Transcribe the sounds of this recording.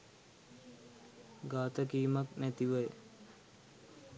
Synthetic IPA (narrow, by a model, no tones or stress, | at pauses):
ɡaːt̪əkiːmaknæt̪iʋəj